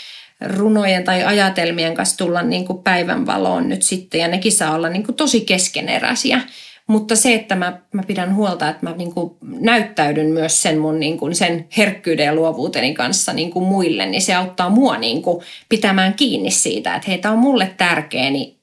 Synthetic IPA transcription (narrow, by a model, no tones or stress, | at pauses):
runojent̪ɑiʔɑjɑt̪elmieŋkɑnst̪ulːɑnniːŋkuppæiʋæ̰nʋɑ̰lo̰ːnnyt̪sit̪ːejɑnekisɑːolːɑnniːŋkut̪osikeskenḛrɑ̰siɑ | mut̪ːɑseet̪ːæmæmæpiɾænhuolt̪ɑet̪mæniːŋkunæyt̪ːæydynmyøssenmunniːŋkunsenherkːyːdejɑluoʋuːt̪enikɑnsːɑniːŋkumuilːḛnniseɑut̪ːɑːmuɑnḭːŋkupit̪æmæːŋkiːnːissḭːt̪æ̰ḛt̪heit̪æommulːet̪t̪ærkḛːni